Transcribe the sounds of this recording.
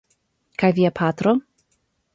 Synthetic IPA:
kʰajviːapʰatɾɔ

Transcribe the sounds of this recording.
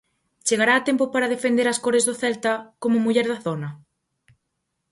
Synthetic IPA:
t͡ʃeɣaɾaːt̪ɛmpʊpaɾɐðefend̪eɾɐskɔɾezðʊθɛlt̪ɐkomʊmuʎɛɾðɐθonɐ

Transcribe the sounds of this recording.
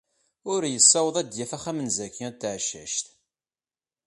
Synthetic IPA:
ʊɾjəsːæwəðˤæd̪jæfæχæmənzækːiæt̪ːʕʃæ̰ʃt̪

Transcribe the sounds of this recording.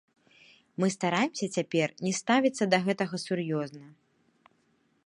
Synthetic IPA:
mɨst̪aɾajɪmsʲɐt͡sʲapʲɛrnʲɛst̪avʲit̪sːɐd̪ɐɣɛt̪ɐɣɐsurjɔznɐ

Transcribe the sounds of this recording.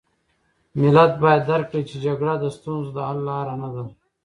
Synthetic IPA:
mɪlat̪̚bɑjad̪ːaɾkːɽit͡ʃed͡ʒaɡɽad̪əst̪unzd̪əɦalːɑːɾanad̪a

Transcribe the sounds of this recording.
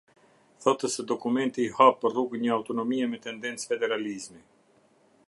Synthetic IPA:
θɔt̪əsɛd̪ɔkumɛnt̪iːhapəɾruɡɲəawt̪ɔnɔmiɛmɛt̪ɛnd̪ɛnt͡sfɛd̪ɛɾalizmi

